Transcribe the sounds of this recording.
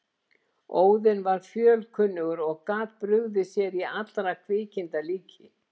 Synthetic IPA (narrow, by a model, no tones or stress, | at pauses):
oːwðɪnvaɾ̥fjœːlkʰʏnːʏɣʏɾɔɣkaːðpɾʏɣðɪsjɛɾiat̪lɾakʰvɪːcɪnt̪aliːcʰɪ